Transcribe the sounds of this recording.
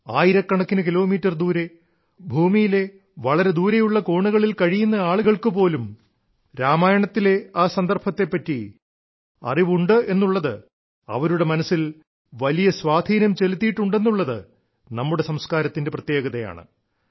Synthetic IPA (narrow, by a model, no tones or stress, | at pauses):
aːjiɾɐkːɐɳɐkːinɨkilo̞ːmiːtːɐrd̪uːɾe̞ | bʱuːmijile̞ | ʋɐɭɐɾe̞d̪uːɾejuɭːɐkoːɳuɣɐɭilkɐɻijunːɐaːɭuɣɐɭkɨpo̞ːlum | ɾaːmaːjɐɳɐt̪ːile̞aːsɐnd̪ɐrbʰɐt̪ːe̞pːɐtːi | ɐ̰riʋuɳɖɨe̞nːuɭːɐðɨ | ɐ̰ʋɐɾuɽe̞mɐnɐsːil | ʋɐlijɐsʋaːd̪ʱiːnɐmt͡ɕe̞lut̪ːijʈːuɳɖe̞nːuɭːɐðɨ | nɐmːuɽe̞sɐmskaːɾɐt̪ːinde̞prɐt̪je̞ːɡɐðɐja̰ːɳɨ̰